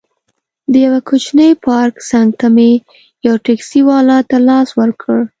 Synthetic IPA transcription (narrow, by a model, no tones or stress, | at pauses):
d̪əjawakʰot͡ʃnəjpɑɾksaŋɡ̚t̪ame | jɑwʈeksiwɑlɑt̪alɑswəɾkʰəɽ